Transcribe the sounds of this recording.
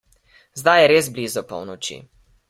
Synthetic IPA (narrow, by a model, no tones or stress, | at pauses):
zd̪ajɛɾeːzblizɔpɔ̰wnɔt͡ʃḭ